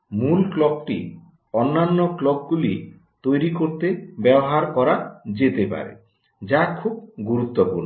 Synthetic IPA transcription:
mulklɔk̚ʈi | ɔnːanːɔklɔɡ̚ɡuli | t̪ojɾikoɾt̪ebɛbɔɦaɾkɔɾad͡ʒet̪epa̰ɾḛ | d͡ʒakʰub̚ɡuɾut̪ːɔpuɾnɔ

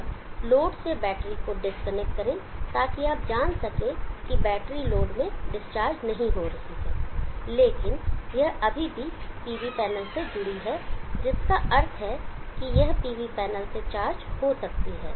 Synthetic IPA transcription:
loːɖsebɛːʈɾikoɖɪskənɛk̚ʈ̚kɐɾẽt̪aːkiaːp̚d͡ʒaːnsɐkẽkibɛːʈɾiloːɖmẽɖɪst͡ʃaːɾd͡ʒnɐɦĩɦoɾɐɦiɦɛ̰ːleːkɪnjɐɦɐbʱibʱipiːʋipɛːnəlsed͡ʒʊɽiɦɛːd͡ʒɪskaʔɐɾt̪ʰɦɛkijɐɦpiːʋipɛːnəlset͡ʃaːɾd͡ʒhosɐk̚t̪iɦɛː

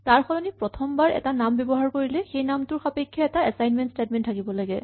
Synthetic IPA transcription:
taɹxɔlɔnipɹɔtʰɔmbaɹɛ̰tanambebɔɦaɹkoɹilɛxejnamtʊɹxapekʰːjaɛtaɛsajnmɛntstedmɛntʰːakibɔlaɡɛ

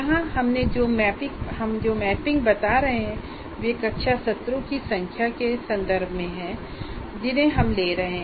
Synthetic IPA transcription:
ɐɦãɦɐmned͡ʒoːmɛːpɪkɦɐmd͡ʒoːmɛːpɪ̃ŋɡ̚bɐt̪aɾɐɦeɦɛ̃ | ʋeːkɐtːʃʰasɐt̪ɾokisɐ̃ŋkʰjakesɐ̃nd̪əɾbʱmẽɦɛ̃ː | d͡ʒɪnɦẽɦɐmleːɾɐɦẽɦ

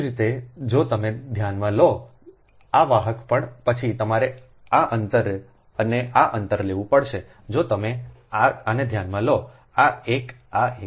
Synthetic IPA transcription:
ɾit̪ed͡ʒot̪əmed̪ʱjanmãlo | aʋaɦəkpəɳpət͡ʃʰit̪əmaɾe | aʔənt̪əɾ | əneʔaʔənt̪əɾleʋũpəɽʃe | d͡ʒot̪əme | aaned̪ʱjanmãlo | aek | ae

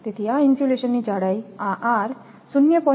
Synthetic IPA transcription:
t̪it̪ʰiainsuleɕənːid͡ʒaɽəjaʔaɾ | sunːjəpɔ

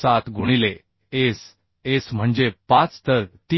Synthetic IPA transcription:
sat̪ɡʱoɽ̃ile | es | esm̤əɳd͡ʑepãt͡st̪əɾt̪i

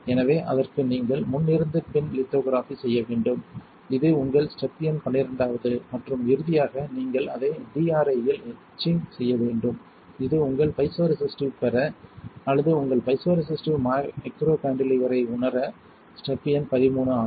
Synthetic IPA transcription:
ɛnɐʋeːʔɐ̰ðɐrkɯniːŋɡɐɭmʊnːɪɾɯnd̪ɯpɪnlɪt̪ːoːɣɾaːfisɛjːɐʋeːɳɖɯm | ɪðɯʊŋɡɐɭsʈɐpːɪjɐnpɐɳːɪɾɐɳɖaːʋɐðɯmɐʈrɯmɪɾɯðɪjaːɣɐniːŋɡɐɭɐðɐɪɖiːaːɾɐɪjɪlɛ | t͡ʃːisɛjːɐʋeːɳɖɯm | ɪðɯʊŋɡɐɭpɐɪsoːɾɪsɪsʈɯpɛɾɐɐlːɐðɯʊŋɡɐɭpɐɪsoːɾɪs̬ɪsʈɯmamɪkɾoːkaːɳɖɪlɪʋɐɾɐɪʊɳɐɾɐ | sʈɐpːɪjɐnpɐðɪmuːɳɐaː

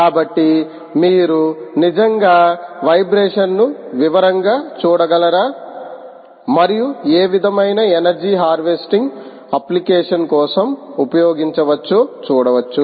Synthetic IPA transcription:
kaːbɐʈːi | miːɾunid͡ʒɐŋɡaːʋɐjbɾeːʂɐnːuʋiʋɐɾɐŋɡaːt͡ʃuːɽɐɡɐlɐɾaː | mɐɾijueːʋid̪ʱɐmɐjnɐenɐɾd͡ʒiːɦaːɾʋesʈiŋɡ | ɐplikeːʂɐnkɔːsɐmupɐjɔːɡiɲt͡ʃɐʋɐt͡ʃːoːt͡ʃuːɽɐʋɐt͡ʃːu

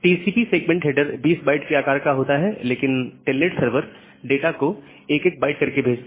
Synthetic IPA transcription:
ʈiːsiːpiseːkmɛ̃ɳʈɦeːɖəɾbiːsbaːɪʈkeaːkaːɾkaɦoːt̪aɦɛleːkɪnʈelːeʈsəɾʋəɾ | ɖeːʈako | eːkeːk̚baːɪʈ̚kɐɾkebʱeːd͡ʒt̪a

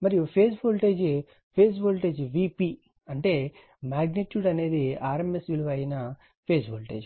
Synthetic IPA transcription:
mɐɾijupʰeːsboːlʈe̞ːd͡ʒ | pʰeːs̬boːlʈe̞ːd͡ʒʋipi | ɐɳʈe̞ː | maːɡniʈjuːɖɐne̞ːd̪iaːɾemesʋiluʋɐjnɐ | pʰeːsboːlʈeːd͡ʒ

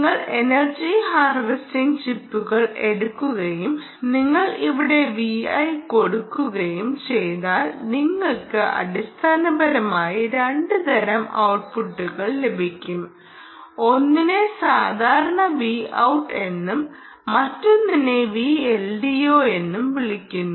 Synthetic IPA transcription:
ŋːɐɭe̞nɐrd͡ʑihaːrʋistiŋʂipːuɣɐɭe̞ɽukːuɣɐjum | niŋːɐɭiʋiɽe̞ʋiɐ̰jko̞ɽukːuɣɐjumt͡ɕe̞jðaːlniŋːɐɭkɨʔɐ̰ɽist̪ʰaːnɐbɐɾɐmaːjiɾeɳɖɨd̪ɐɾɐmɐ̰wʈ̚puʈːuɣɐɭle̞bʱikʲːum | o̞nːine̞saːd̪ʱaːɾɐɳɐʋiːɐ̰wʈːe̞nːumː | ɐtːunːinːeʋiːelɖijoːe̞nːumʋiɭikʲːunːu

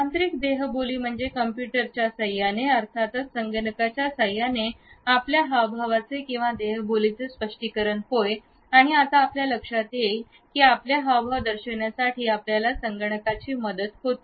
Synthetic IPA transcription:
ant̪ɾikd̪eɦboliːm̤əɳd͡zekəmpjuʈəɾt͡ɕjasəjaneəɾt̪ʰat̪ət͡ssəŋɡəɳəkat͡ɕjasəjaneapljaɦawbʱaʋat͡sekĩw̃ʋad̪eɦbolit͡sespəʂʈikəɾəɳɦoj | aɽ̃iat̪aːpljaləkʂat̪je | kiːapljaɦawbʱaʋd̪əɾɕəɳjasaʈʰiːapljalasəŋɡəɳəkat͡ɕiːməd̪ət̪ɦot̪i̥

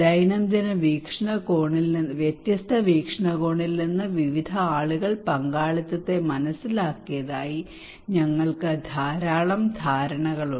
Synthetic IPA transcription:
d͡ʑɐjnɐmd̪ɐnɐʋiːkʂɐɳɐkoːɳilʋjet̪jɐst̪ʰɐʋiːkʂɐɳɐɣoːɳilninːɨʋiʋid̪ʱɐaːɭuɣɐɭpɐŋɡaːɭit̪ːɐt̪ːe̞mɐnɐsːilaːkːijɐðaːji | ɲɐŋːɐɭkɨd̪ʱaːɾaːɭɐmd̪ʱaːɾɐɳɐɣɐɭu

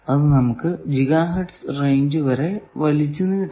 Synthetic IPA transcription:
ɐðɨnɐmukːɨd͡ʑiɣaːɦɐʈsrejɲd͡ʑɨʋɐɾe̞ʋɐlit͡ɕːunːi

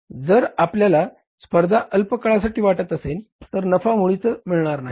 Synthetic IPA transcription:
d͡zəɾapljala | spəɾd̪ʱaʔəlpəkəɭasaʈiːʋaʈət̪əselt̪əɾnəfamuɭit͡səmiɭɳaɾnaɦi

